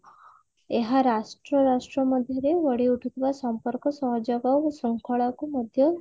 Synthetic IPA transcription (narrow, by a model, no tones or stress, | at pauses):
eɦaɾasʈɾɔɾasʈɾɔmɔd̪ʱjɔɾeʋəɽ̤iuʈʰut̪ʰiʋasɔmpɔɾkɔsɔɦɔd͡ʒɔɡasɔŋkʰɔɭakumɔd̪ʱjɔ